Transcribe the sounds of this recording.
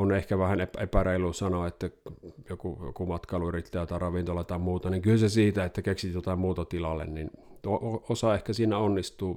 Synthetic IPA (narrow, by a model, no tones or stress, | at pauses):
onehkæʋæhænepepæreˑilˑusɑnoet̪ːæjokujo̰kumɑt̪kɑˑluyrit̪ːæːjot̪ɑrɑʋint̪olɑt̪ɑˑmmuːt̪ɑniŋkylsesiːt̪æet̪ːækeksijot̪ɑmmuːt̪ɑt̪ilɑlːḛnnint̪ooosɑehkæsiːnæonːist̪uː